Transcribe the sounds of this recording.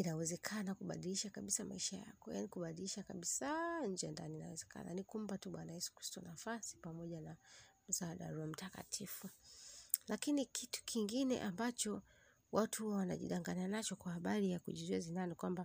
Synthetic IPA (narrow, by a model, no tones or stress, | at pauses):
inawɛzɛkʰanakuɓa̰ɗiliʃakaɓisamaiʃaja̰kɔja̰nikuɓaɗiliʃakaɓisaɲ̩d͡ʒɛjandanina̰wɛzɛka̰na̰nikum̩patuɓwanaisi̥ku̥si̥tɔnafasi̥pamɔʄanam̩zaɗa̰ɾuam̩taka̰tʰifu | lakinikitu̥kʰiŋɡinɛ̰ʔambat͡ʃɔ | wʔatuhuwana̰ʄḭɗaŋɡananat͡ʃɔkwahaɓaɾijakuʄizwɛzinanikwamba